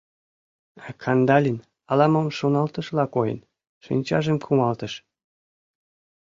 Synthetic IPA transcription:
kʰɑnd̪ɑlʲin | ɑlɑməmʃonɑlt̪əʃlɑkojḛn | ʃḭnʲt͡ɕɑʒemkʰumɑlt̪əʃ

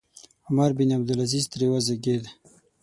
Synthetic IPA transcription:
ʊmaɾbinab̚d̪ulazizt̪ɾewazeɡed̪

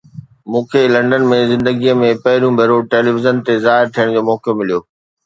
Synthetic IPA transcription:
mũːkʰelɐ̃ɳɖən̆mẽzɪ̃nd̪əɡiəmẽpɐɦɪɾũbʱɐɾoʈeːliʋɪzənt̪ezaːɦɪɾt̪ʰijəɽ̃d͡ʑoːmɔːkjomɪlijoː

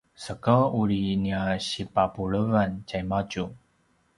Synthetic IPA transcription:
səkəuɾiniaɕipapuɭəvant͡ɕajmat͡ɕu

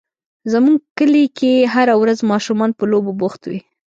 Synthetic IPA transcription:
zəmuŋɡkəlikeɦaɾawɾazmɑʃumɑnpəloboboxt̪wḭ

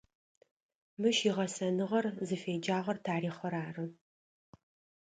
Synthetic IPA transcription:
mɨʃiːʁɐsɐnɨʁɐrzɨfeːd͡ʒaːʁɐrtʰaːɾiːχɐɾaːrɨ

